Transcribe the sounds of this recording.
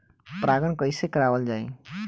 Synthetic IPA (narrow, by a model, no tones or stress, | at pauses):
pɾaɡəñkʌjsekəɾawəld͡ʒai